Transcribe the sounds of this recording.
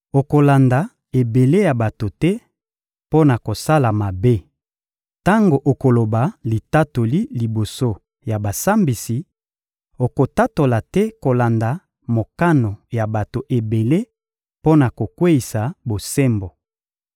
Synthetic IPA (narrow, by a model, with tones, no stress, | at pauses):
o˨ko˨la˨nda˨ | e˨be˨le˦ja˨ba˨to˨tɛ˦ | po˦na˨ko˨sa˦la˨ma˨be˦ | ta˦ŋɡo˨ʔo˨ko˨lo˨ba˨li˨ta˦to˨li˦li˨bo˨so˦ | ja˨ba˨sa˦mbi˨si˨ | o˨ko˨ta˦to˨la˨tɛ˦ko˨la˨nda˨ | mo˨ka˦no˨ja˨ba˨to˨ʔe˨be˨le˦ | po˦na˨ko˨kwe˦i˨sa˨bo˨sɛ˦mbo˨